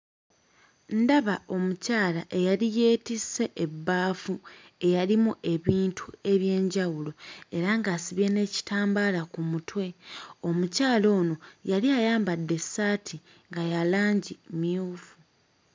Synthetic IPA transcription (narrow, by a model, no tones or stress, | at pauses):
ndaβao̞mucaːlaʔe̞jalije̞ːtisːe̞ʔebːaːfu | e̞jalimuʔe̞βiːntʰue̞βje̞ːɲɟawulo̞e̞ɾaŋɡasiβje̞ne̞ːci̥taːmbalakumutwe̞o̞mucaːlo̞ːno̞jaliajaːmbadːe̞sːaːtʰi | ŋɡajalaːɲɟimiuːfu